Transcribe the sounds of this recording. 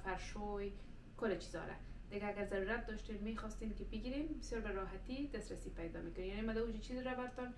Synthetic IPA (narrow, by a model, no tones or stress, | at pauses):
faɾʃoj | kʊlat͡ʃizɔ̰ɾa̰d̪̥ɪɡaːɡaɾzaɾuɾat̪̚d̪ɔʃtemːexɔst̪emkɪbɪɡiɾembɪsjɔɾbaɾɑɦat̪id̪asɾasipajd̪ɔ̰mekʊnejanemad̪aud͡ʒat͡ʃizɪɾabaɾt̪ɔn